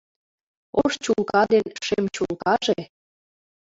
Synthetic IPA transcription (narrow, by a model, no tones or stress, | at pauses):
oʃt͡ɕulkɑd̪enʃemt͡ɕulkɑʒe